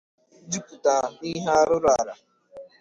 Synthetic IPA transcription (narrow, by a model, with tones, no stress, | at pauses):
d͡ʒu˦ku˨ta˨i˦ɦa˦ɾʊ˦ɾa˨ɾa˨